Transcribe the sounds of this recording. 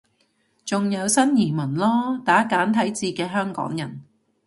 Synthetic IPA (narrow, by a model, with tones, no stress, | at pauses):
t͡sʊ˨ŋjɐ˨˧wsɐ˥njiː˨˩mɐ˨˩nlɔː˥t̪aː˨˥kaː˨˥nt̪ʰɐ˨˥jt͡siː˧kɛː˧ɦœː˥ŋkɔ̰ː˨˥ŋjɐ˨˩n